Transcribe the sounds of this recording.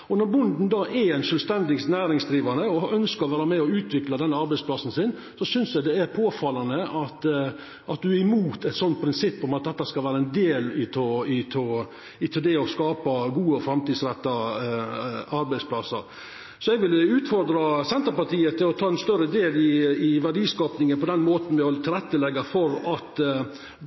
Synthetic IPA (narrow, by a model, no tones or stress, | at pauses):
ɔnɔɾbʊnd̪n̩d̪ɑʔɛɾɛɪnʂœːlst̪ɛnd̪ɪŋsnæːɾɪŋsd̪ɾiːʋɑnəɔʔœnskəɾɔʋæːɾəmɛɔʉːt̪ʰʋɪklɑd̪ɛnːəɑɾbæɪspʰlɑsn̩sɪn | sɔsʏnsjɛɡd̪ɛæɾpʰoːfɑlɑnəɑt̪ | ʔɑt̪̚d̪ʉæɾɪmuːt̪ɛt̪sɔnt̪̚pʰɾɪnsɪpːɔmɑt̪̚d̪ɛt̪ːəskɑlʋæːɾəɛnd̪eːlɪt̪ʰoɪt̪ʰo | ɪt̪ʰɛld̪ɛɔskɑːpɑɡuːəɔfɾɑmt̪iːd̪sɾɛt̪ːɑ | ɑɾbæɪspʰlɑsə̰ɾ | sɔɛɡʋɪlːʉːt̪fɔɾd̪ɾɑsɛnt̪əpɑt̪iːət̪ʰːɪlɔt̪ʰɑːɛnst̪œɾəd̪eːlɪɪʋæɖiːskɑːpnɪŋənpɔd̪ɛnːmoːt̪n̩ʋɪhɔlːət̪ʰɪlɾɛt̪ːəlɛɡːɑfɔɾɑt̪